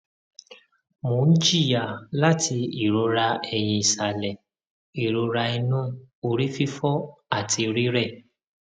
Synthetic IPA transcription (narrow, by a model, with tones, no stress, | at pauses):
mõ˨˦n̩˦d͡ʒi˦˨ja˨la˦tʰi˧i˨ɾo˧ɾa˧ɛ˨jĩ˧i˨sa˨lɛ˨ | i˨ɾo˧ɾa˧i˧nũ˦o˨ɾi˦fi˦fɔ˦a˦˨tʰi˧ɾi˦ɾɛ˦˨